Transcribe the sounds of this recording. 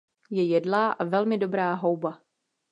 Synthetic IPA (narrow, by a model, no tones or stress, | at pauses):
jɛjɛdlaːʔavɛlmɪdo̞bɾaːɦo̞wba